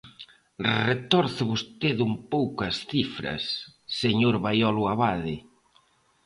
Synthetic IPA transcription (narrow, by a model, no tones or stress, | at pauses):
ret̪ɔɾθβost̪eðumpowkɐsθifɾɐ̰sːeɲoɾβajɔluaβaðɪ